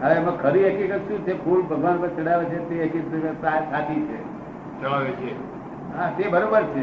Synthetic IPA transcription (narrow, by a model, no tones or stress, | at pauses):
ɦəʋemãkʰəɾiɦəkikət̪ʃũt͡ʃʰepʰulbʱəɡʱʋanpə̃ɾt͡ʃəɽaʋet͡ʃʰet̪eɦəkisasat̪ʰit͡ʃʰe | t͡ʃəɭaʋet͡ʃʰe | ɦat̪ebəɾobəɾt͡ʃʰe